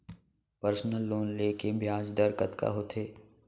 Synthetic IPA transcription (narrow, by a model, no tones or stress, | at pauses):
pəɾsnəlːoːnleːkebʱjaːd͡ʒd̪əɾkət̪ka̰ɦoːt̪ʰeː